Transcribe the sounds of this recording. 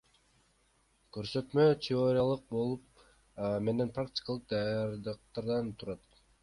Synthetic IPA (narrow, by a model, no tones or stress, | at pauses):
køɾsø̞t̪møt̪ʲʰɪo̞ɾʲɪjalˠɯq̚bo̞lˠup̚ | me̞ne̞nprak̚tʲi̥kalˠɯq̚d̪ɑjɑɾd̪ɯq̚t̪ɑɾd̪ɑnt̪ʰuɾɑt̪